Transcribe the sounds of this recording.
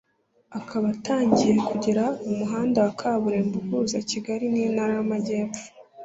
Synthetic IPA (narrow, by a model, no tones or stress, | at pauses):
akʰaβataːɲɟije̞kuɟeɾaumuɦaːndawakʰaːβuɾe̞mbuhuzaciɡaɾinijnaɾamaɟe̞ːp͡ffu̥